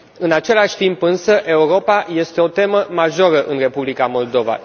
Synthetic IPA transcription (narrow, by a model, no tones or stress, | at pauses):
ɨnat͡ʃe̞laʃʲt̪impɨnsəʔe̞uɾo̞paje̞st̪e̞o̞t̪e̞məmaʒoɾəʔɨnre̞publikamo̞ld̪o̞va̰